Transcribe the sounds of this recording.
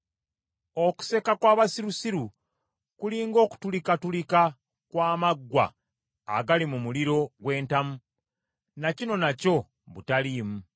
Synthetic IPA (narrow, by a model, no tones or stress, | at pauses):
o̞ku̥se̞kakwaːβasiɾusiɾu | kuliːŋɡo̞ːku̥tulikatulika | kwaːmaɡːwa̰ː | ɡalimumuliɾo̞ɡwe̞ːntamu | nacino̞naco̞ | βutaliːmu